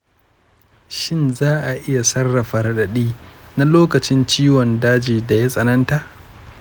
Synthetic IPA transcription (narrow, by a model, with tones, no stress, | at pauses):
ʃɪ˦nzaː˦ʔa˨ʔɪ˦ja˨sɐ˦rːɐ˨ɸɐ˨ɾɐ˦ɗɐ˨ɗiː˦na˦loː˦kɐ˨t͡ʃɪ˦nt͡ʃiː˦wɔ˨ndaː˦d͡ʒiː˨da˨ja˦sʼɐ˨nɐ˦nta˨ʔ